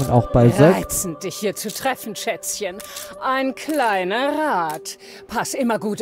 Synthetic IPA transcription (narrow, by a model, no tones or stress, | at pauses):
a̰ʊxb̥aɪzɛt͡sn̩d̥ɪçhiːɐt͡sutʁ̥ɛfn̩ʃɛt͡sçənʔaɪnkʰlaɪnɐʁaːt | pʰasʔɪmɐɡuːt